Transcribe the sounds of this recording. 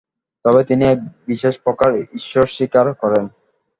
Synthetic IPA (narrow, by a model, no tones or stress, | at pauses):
t̪ɔbet̪iniɛk̚biʃeʃpɔkaɾiʃːoɾʃikaɾkɔɾen